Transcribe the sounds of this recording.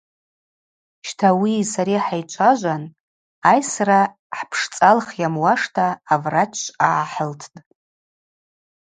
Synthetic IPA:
ʃtʰawisaɾiħajt͡ʃʷʰaʒʷan | ajsra | ħpʰʂt͡sʼalχjamwaʂtʰaːvrat͡ʃʷʼaħəltʰtʼ

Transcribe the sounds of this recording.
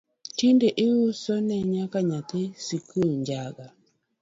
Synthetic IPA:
tindeʔɪusɔnɛɲakaɲat̪esikuɲd͡ʒaɡa

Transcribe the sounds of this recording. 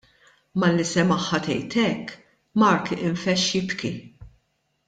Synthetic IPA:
mɐlːisɛmɐħːɐt̪ɛjt̪ɛkː | mɐɾkɪɱfɛʃjɪpki

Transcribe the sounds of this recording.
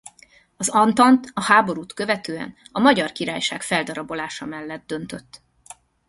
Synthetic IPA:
ɒzɒnt̪ɒnt̪ɒhaːbo̞ɾuːt̪køvɛt̪øːɛ̰nɒmɒɟɒrkiɾa̰ːjʃaːkfɛld̪ɒɾɒbo̞laːʃɒmɛlːɛd̪̚d̪ø̞nt̪ø̞t̪ː

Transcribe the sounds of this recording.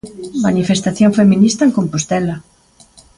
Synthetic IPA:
manifest̪aθjoŋfeminist̪ɐeŋkompost̪ɛla

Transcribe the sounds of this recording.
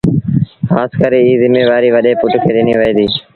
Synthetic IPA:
xaːskəɾeːiːzɪmeːʋaːɾiːʋəɗeːpʊʈkʰeːɗɪniːʋəːd̪iː

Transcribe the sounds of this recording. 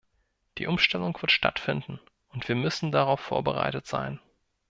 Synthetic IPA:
d̥ḭːʔʊmʃtɛlʊŋv̥ɪɐtʃta̰tfɪndn̩ | ʔʊntv̥iːɐmʏsn̩daʁaʊfːo̰ːɐbəʁa̰ɪtətz̥a̰ɪn

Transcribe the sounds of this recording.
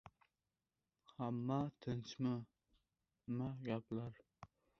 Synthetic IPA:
hamːat̪ʰɨnt͡ʃmɪ | maɡʲaplaɾ

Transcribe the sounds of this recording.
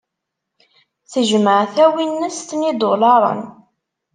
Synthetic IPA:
θəʒməʕθæwinːəst̪nid̪olɑɾˤə̰n

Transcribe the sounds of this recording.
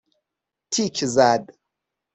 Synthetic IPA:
tʰikʲʰizad

